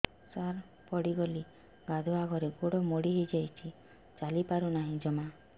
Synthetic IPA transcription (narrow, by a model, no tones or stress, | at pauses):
saɾ | pɔɽiɡɔli | ɡad̪ʱuaɡʱɔɾeɡoɽɔmoɽiɦed͡ʒajt͡ʃʰi | t͡ʃalipaɾunaɦĩd͡ʒɔma